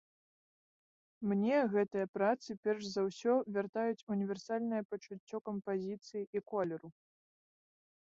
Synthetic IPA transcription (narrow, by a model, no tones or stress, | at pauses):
mnʲɛɣɛt̪ɨjɐpɾat̪sɨpʲɛrʂzawsʲɔvʲart̪ajut͡sʲunʲivʲɛrsalʲnɐjɐpɐt͡ʂut͡sʲːɔkɐmpazʲit̪sɨjiʔikɔlʲɛɾu